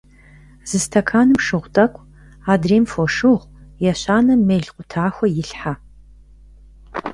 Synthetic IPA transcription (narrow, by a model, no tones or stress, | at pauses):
z̥ɨstʰɐkʰaːnɨmʂɨʁʷtʼɐkʷʼ | aːdreːmfoʂɨʁʷjɛɕaːnɐmeːɮqʷʊtʰaːxʷɔjɪɬħa